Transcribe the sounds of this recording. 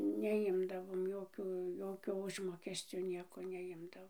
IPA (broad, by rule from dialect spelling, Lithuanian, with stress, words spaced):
nʲɛˈjɪmdɐʋoːm ˈjoːkʲʊ ˈjoːkʲoː ˈʊʒmoːkʲɛsʲt͡sʲoː ˈnʲiɛkoː nʲɛˈjɪmdɐʋoːm